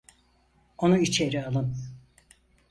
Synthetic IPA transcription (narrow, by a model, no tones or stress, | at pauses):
o̞nuit͡ʃʰe̞ɾialˠɯm